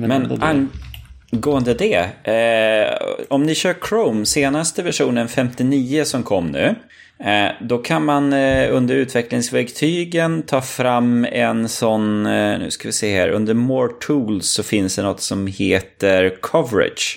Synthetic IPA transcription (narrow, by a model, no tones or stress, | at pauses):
mɛnan | ɡoːənd̪əd̪ɛ | ɔmnɪɕœːkʰɾoʊmseːnast̪əvæʂuːnənfɛmt̪ɪniːəsɔmkʰɔmːnʉ̟̰ː | d̪ɔkʰanmanɵnd̪əɾʉ̟ːt̪vɛklɪŋsvæɾkt̪ʰyːɡənt̪ʰɑːfɾamːɛ̰nsɔnnʉ̟ːskavɪsɛjːahæ̰ːɾʔɵ̰nd̪əɾmoːɾʈʰuːlsːɔfɪnsd̪ɛnɔt̪ːsɔmheːt̪əɾkʰɔvəɾɪ̰d̪ʃ